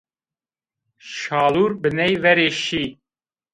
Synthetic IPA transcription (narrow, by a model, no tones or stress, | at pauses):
ʃɑːluːɾbɨnɛjvɛɾeːʃiː